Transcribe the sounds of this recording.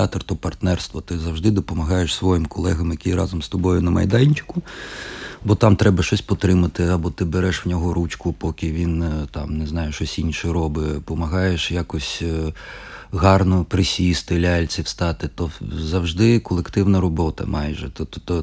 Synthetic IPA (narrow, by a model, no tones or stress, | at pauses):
ɑt̪ɐrt̪ɔpɐrt̪nɛrst̪ʋɔt̪ɪzɐwʒd̪ɪd̪ɔpɔmɐɦɑjeʃsʋɔjimkɔlˠɛɦɐmjɐkʲijɾɑ̰zɔmst̪ɔbɔjʊnɐmɐjd̪ɑnʲt͡ʃɪ̥kʊ | bɔt̪ɑmt̪ɾɛbɐʃɔsʲpɔt̪ɾɪmɐt̪ɪɐbɔt̪ɪbeɾɛʃwnʲɔɦɔɾut͡ʃkʊpɔkʲɪʋʲint̪ɑmneznɑjʊʃɔsʲinʲʃɛjɾɔbɪpɔmɐɦɑjeʃjakɔsʲ | ɦɑrnɔpɾɪsʲist̪ɪlʲalʲt͡sʲɪwst̪ɑt̪ɪt̪ɔzɐwʒd̪ɪkɔlˠekt̪ɪwnɐɾɔbɔt̪ɐ̰mɑjʒɛt̪ɔt̪ɔ